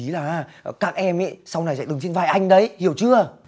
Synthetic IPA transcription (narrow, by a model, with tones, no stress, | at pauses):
i˨˦laː˨˩ʔaː˧˩˨kaː˦˥k̚ʔɛ˧mɛ̰˧˥˦sa˧wna˨˩jza̰˧˨˥ɗɨ˨˩ŋsi˧nvaː˨˩jʔa˧jŋ̟ɗə˨˦jhi˨˧˩əwt͡ɕɨ˧ə